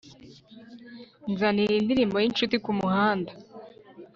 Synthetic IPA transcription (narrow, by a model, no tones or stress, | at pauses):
nzaniindiɾiːmbo̞jinʃutikumuhaːnda